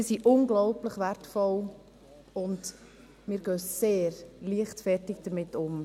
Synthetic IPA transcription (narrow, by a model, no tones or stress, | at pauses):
ɪsiʔʊnɡlɔʊpləχʋæɾtfɔl | ʊnd | mɪːɾɡœːseːɾliəχtfɛɾtɪɡ̚d̥əɾmɪtʊm